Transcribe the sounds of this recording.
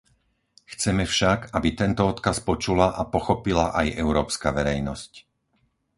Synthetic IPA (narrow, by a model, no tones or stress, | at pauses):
xt͡sɛmɛfʃakabit̪ɛnt̪ɔɔt̪kaspɔt͡ʃulaʔapɔxɔpilaʔajʔɛʊɾɔːpskaʋɛɾɛjnɔsc